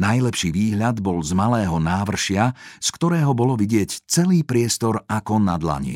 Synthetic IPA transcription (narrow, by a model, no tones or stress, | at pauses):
najlɛpʃiːʋiːɦʎad̪bɔlzmalɛːɦɔnaːʋr̩ʃɪaskt̪ɔɾɛːɦɔbɔlɔʋiɟɪɛct͡sɛliːpɾɪɛst̪ɔɾakɔnad̪la̰ɲḭ